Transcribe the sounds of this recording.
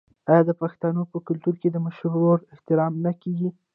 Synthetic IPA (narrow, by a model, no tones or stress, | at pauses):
ajɑd̪əpaxt̪ɑnopəkʊlt̪uɾked̪əmaʃɾːoɽɪht̪ɪɾɑmnakeɡi